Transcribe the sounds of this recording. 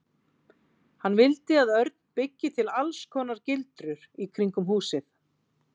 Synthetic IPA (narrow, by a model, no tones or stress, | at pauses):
hanːvɪlt̪ɪaðœɾt̪̚n̥pɪcːɪt̪ʰɪlalskʰɔːnaɾcɪlt̪ɾʏɾ̥ikʰɾiŋkʏmɦuːsɪθ